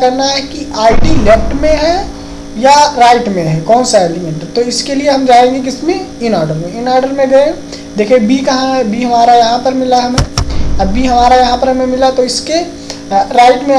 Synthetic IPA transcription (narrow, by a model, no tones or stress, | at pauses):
kɐɾnaɦɛkiaːɪɖileːpʰʈmẽɦɛ | jaɾaːɪʈmẽɦɛ̃kɔːnsaeːlɪmɛ̃ɳʈt̪oɪskelieɦɐmd͡ʒaːẽŋɡek̬ɪsmeɪnɔːɾɖəɾmẽɪnɔːɾɖəɾmẽɡɐẽ | d̪eːkʰẽbikɐɦãbiːɦɐmaːɾajɐɦãpɐɾmɪlaɦɐmẽɐbʱiɦɐmaːɾajɐɦãpɐɾɦɐmẽmɪlat̪oɪske | ɾaːɪʈmẽ